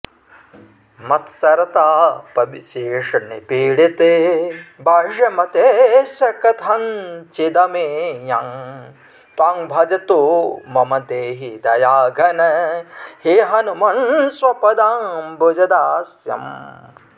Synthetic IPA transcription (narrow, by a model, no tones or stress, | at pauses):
mɐt̪sɐɾɐt̪aːpɐbiʃeːʂɐnipiːɽit̪ebʱɐʂɐmɐt̪eʃɐkɐt̪ʰɦɐnt͡ʃid̪ɐmejaːŋ | t̪aːŋbʱɐd͡ʒɐt̪umɐmɐt̪eːɦid̪ɐjaːɡʱɐnɐheɦɐnumɐnsʋɐpɐd̪aːmbud͡ʒɐd̪aːsjɐ̰m